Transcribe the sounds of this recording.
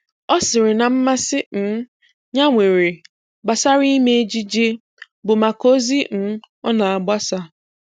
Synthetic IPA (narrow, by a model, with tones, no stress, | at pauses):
ɔ˦sɪ˨ɾɪ˨na˨m̩˦ma˦sɪ˦n̩˦ | ɲa˦ŋʷe˨ɾe˨ | ɡ͡ba˨sa˦ɾi˦me˦e˦d͡ʒi˦d͡ʒe˦ | bʊ˨ma˨ko˦zi˦n̩˦ | ɔ˦na˨a˨ɡ͡ba˦sa˦